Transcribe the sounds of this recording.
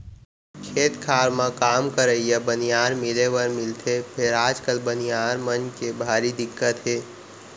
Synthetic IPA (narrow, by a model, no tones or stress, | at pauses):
kʰeːt̪kʰaːɾmãkaːmkəɾəijabənijaːɾmɪleʋəɾmɪlt̪ʰepʰɪɾaːd͡ʒkəlbənijaːɾmənkebʱaːɾid̪ɪkːət̪ɦeː